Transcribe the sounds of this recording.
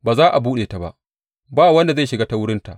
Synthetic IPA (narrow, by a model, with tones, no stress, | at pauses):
baː˨zaː˦ʔa˨buː˦ɗeː˨ta˨ba̰˦˨ʔ | baː˦˨wɐ˦nda˨za˦˨ʃɪ˨ɡaː˦ta˦wʊ˦ɽɪ˦nta˨ʔ